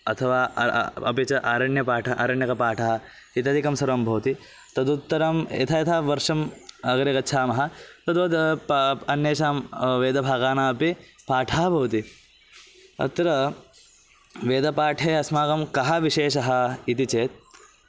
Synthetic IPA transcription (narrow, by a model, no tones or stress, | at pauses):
ɐt̪ʰɐʋaːɐ̰piɐt͡ʃɐʔaːɾɐɳjɐpaːʈʰɐʔɐ̰ːɾɐɳjɐkɐpaːʈʰɐɦɐ̆ | it̪ɐd̪ʱikɐmsɐɾɐmbʱɐʋt̪i | t̪ɐd̪ut̪ːɐɾɐmɐ̰t̪ʰɐjɐt̪ʰɐʋɐɾʂɐmɐɡɐɾekɐtːʃʰaːmɐɦɐ̆t̪ɐd̪oːd̪ | ɐnːjeːʃaːmʋeːd̪ɐbʱaːɡaːnaːɐpi | paːʈʰɐɦɐbʱɐʋɐt̪i | ɐ̰t̪ːɾɐ | ʋeːd̪ɐpaːʈʰeːɐsmaːkɐmkɐɦɐʋiʃeːʃɐɦɐit̪it͡ʃeːt̪̚